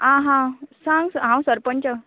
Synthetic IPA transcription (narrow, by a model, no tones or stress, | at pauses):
ãɦãsãŋɡsɦãwsəɾpəɳt͡ɕə